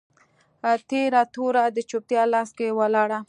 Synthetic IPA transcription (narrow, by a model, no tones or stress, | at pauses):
at̪eɾat̪oɾad̪ət͡ʃop̚t̪jɑlɑskewalɑɽa